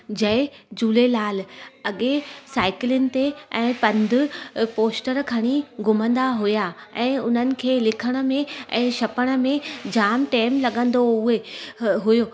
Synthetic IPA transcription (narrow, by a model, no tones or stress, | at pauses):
d͡ʑɐɪd͡ʑuːlelaːlɐɠesaːɪklɪnɪ̆t̪eɛ̃ːpɐ̃nd̪ʱʊ̆poːsʈəɾkʰɐɽ̃iɡʱʊmə̃nd̪aɦʊjaɛ̃ːʊn̤ənɪ̆kʰeːlɪkʰəɽ̃ə̆mẽɛ̰̃ːʃɐpəɽ̃ə̆mẽd͡ʑaːmʈeːmlɐɠə̃nd̪oʊeɦʊjo